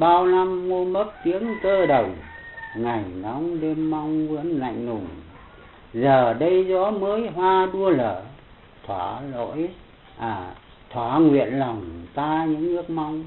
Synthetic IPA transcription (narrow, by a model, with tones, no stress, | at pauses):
ɓaː˧wna˧mːo˧mə˦˥t̚t̪i˨˦əŋkəː˧ɗə˨˩wŋa˨˩jnɔ˨˦ŋ͡mɗe˧mːa˧wŋ͡mvə̰˧˥ənla̰˧˨jŋ̟nʊ˨˩ŋ͡m | zəː˨˩ɗə˧jzɔ̰˧˥məː˨˦jɦwaː˧ɗu˧ələː˧˩˨ | t̪ʰwaː˧˩lo̰˧˥j | ʔaː˨˩ | t̪ʰwaː˧˩ŋwḭ˧˨ənla˨˩wŋ͡mt̪aː˧ɲɨ̰˧˥ŋːɨ˦˥ək̚ma˧wŋ͡m